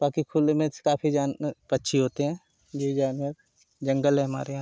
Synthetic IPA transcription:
baːkikʰulmẽ̥kaːpʰid͡ʒaːnpɐtːʃʰiɦoːt̪eɦɛ̃ː | joid͡ʒaːnwəɾ | d͡ʒɐ̃ŋɡəlɦɛ̃ɦɐma̰ːɾea

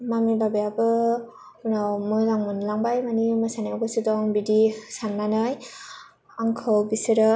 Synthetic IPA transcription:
mamiɾbabejabɯ | unawmɯzaŋmɯnlaŋbajmanimɯsanaɡɯsɯdɔŋbidisanːanɯj | aŋkʰɯwbisɯɾɯ

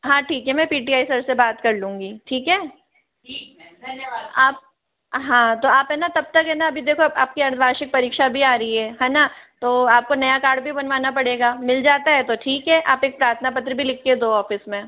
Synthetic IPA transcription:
ɦãːʈʰiːkɦɛmɛ̃piːʈiaːisɐɾsebaːt̪kɐɾlũːŋɡiːʈʰiːkɦɛː | ʈʰiːk | d̪ɐnjaaːp̚ | ɦãːt̪oaːpɦɛnat̪ɐb̚t̪ɐkɦɛːnaɐbʱid̪eːkʰoaːp̚kiɐɾt̪ʰbaːʃɪk̚pɐɾiːkʃabʱiaːɾɐɦiɦɛːɦãːnat̪oːaːp̚konɐjakaːɾɖbʱibɐnʋaːnapɐɽeːɡaːmɪld͡ʒaːt̪aɦɛt̪oʈʰiːkɦɛʔaːpeːk̚pɾaːɾt̪ʰənapɐt̪̬ɾəbʱilɪkʰːed̪oːɔːfɪsmẽ

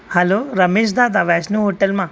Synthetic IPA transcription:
hɐloɾɐmeːʃ̬d̪aːd̪aʋɛːsnuɦoːʈelmã

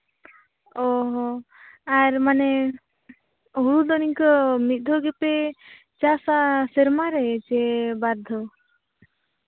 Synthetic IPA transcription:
ɔɦɔ | aɾmanɛ | ɦuɾud̪ɔniŋkɔmit̪̚ˀd̪ʱɔɡɛpɛ | t͡ʃasasɛɾmaɾɛt͡ʃɛbaɾd̪ʱɔ

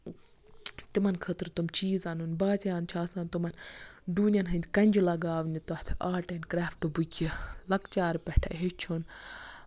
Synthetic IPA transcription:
t̪imɐnkʰət̪ɾt̪umt͡ʃiːzanunbaːzjaːnt͡ʃʰaːsaːnt̪umɐnɖuːnʲɐnɦɐnd̪ʲkɐnʲd͡ʒulɐɡaːʋnit̪ɔt̪ʰaːʈɐnkɾaːfʈubukʲʰilɐkt͡ʃaːɾpɛʈʰɐɦet͡ʃʰun

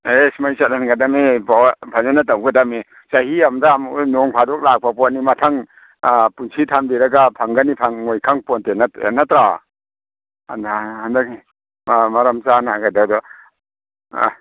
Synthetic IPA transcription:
esmajsat̚anɡadameppʰazanatawɡadame | sahiamdaːmunɔŋpʰadɔk̚lak̚papɔt̚nimatʰaŋ | punsʰitʰambiɾaɡapʰaŋɡanipʰaŋːojkʰaŋpɔntena̰natɾa | a̰ndhandak̚ | maɾamzanaɡadawdɔ

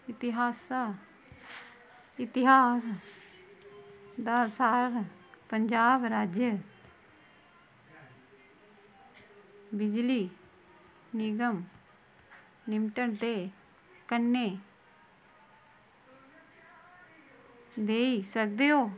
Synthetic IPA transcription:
ɪt̪ɪɦaːsa | ɪt̪ɪɦaːs | d̪aːsaːɾpəɲd͡ʒaːbɾaːd͡ʒjə | bɪd͡ʒliː | nɪɡəm | nɪmʈəɳt̪eː | kənːeː | d̪eːisək̚d̪eːoː

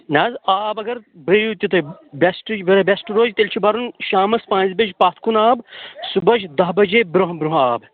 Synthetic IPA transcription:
naːzaːbɐɡɐɾbɨjut̪ʲut̪ʰɐbesʈɨʋɐɾɐbʲesʈɾoːd͡ʒʲt̪elʲt͡ʃʰibɐɾunʃaːmɐspãːnzbed͡ʒpaːt̪ʰkʰunaːbsubɐd͡ʒd̪ɐɦbɐd͡ʒeːbɾɐɦbɾuɦaːb

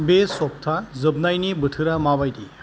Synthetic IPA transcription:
besɔp̚t̪ʰad͡zəbnajnibəʈʰɨɾamabajt̪i

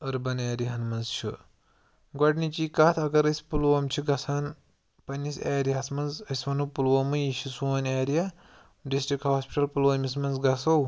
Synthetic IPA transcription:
ɐɾbɐneːɾiɦɐnmɐnzʃʰḭ | ɡwɐɖnit͡ʃiːkat̪ʰɐɡɐɾɐsʲi̥pulʋɐmt͡ʃʰiɡɐsʰaːn | pɐnʲisʲeːɾiɐsmɐnzɐsʲʋɐnupulʋɐmɨjiɕisuːneːɾija | ɖisʈɾikʈhaːspʲi̥ʈɐlpulʋɐmismɐnzɡɐsɐw

